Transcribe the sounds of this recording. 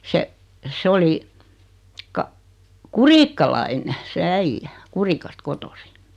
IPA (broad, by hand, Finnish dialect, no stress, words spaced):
se sĕ oli kɑ kuriːkːɑlɑine se æijːæ kurikɑst kotosi